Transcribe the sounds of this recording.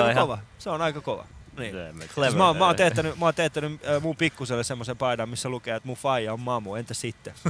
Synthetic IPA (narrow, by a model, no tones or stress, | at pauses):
oʋɑseonɑikɑkoʋɑ̰niːklmæoːmmæoːnt̪eht̪ːænymɑoːnt̪eht̪ːænymːmumpikːuselːesemːosempɑidɑmmisːælukeːet̪mufɑijɑommɑmːuent̪æssit̪ːe